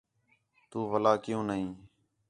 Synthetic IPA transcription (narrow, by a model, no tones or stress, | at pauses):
t̪uːʋəlaːkɪjũːnəɦĩː